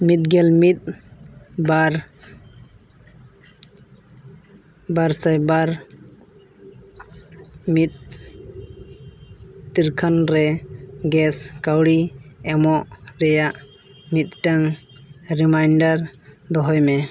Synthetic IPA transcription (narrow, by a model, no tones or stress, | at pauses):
mit̪̚ɡɛlmit̪̚ | baɾ | baɾsajbaɾ | mit̪̚ | t̪iɾkʰanɾɛɡɛskawɽiɛmɔʔɾɛjaʔ | mit̪̚ʈaŋɾimajɳɖaɾd̪ɔɦɔjmɛ